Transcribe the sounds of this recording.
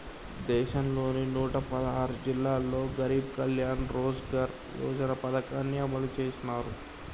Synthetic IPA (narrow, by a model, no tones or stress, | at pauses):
d̪ɛːʃɐnlo̞ːninuːʈɐpɐd̪ɐɦaːɾud͡ʒilːaːlːo̞ːɡɐɾiːbkɐljaːnɾoːd͡ʒɡaɾ | jo̰ːd͡ʒɐnɐpɐd̪ɐkaːnːiɐmɐlut͡ʃeːsinaːɾu